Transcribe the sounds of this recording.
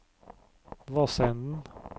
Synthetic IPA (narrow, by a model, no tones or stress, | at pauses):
ʋɑsɛnn̩